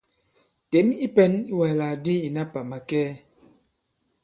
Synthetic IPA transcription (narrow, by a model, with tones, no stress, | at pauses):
te˨˦mi˦pɛ˦ni˦wɛ˨laː˨di˦i˨na˦pa˨ma˨kɛː˦